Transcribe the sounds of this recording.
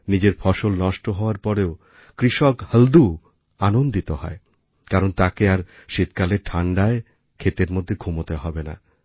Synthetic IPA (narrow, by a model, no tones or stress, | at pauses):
nid͡ʑeɾfɔʃolnɔʃʈoɦɔoaɾpɔɾeo | kɾiʃɔkhəld̪u | anond̪it̪ohɔ̰e | kaɾont̪akeaɾ | ʃit̪kaleɾʈʰaɳɖae | kʰet̪eɾmod̪ʱːeɡʱumot̪eɦɔbena̰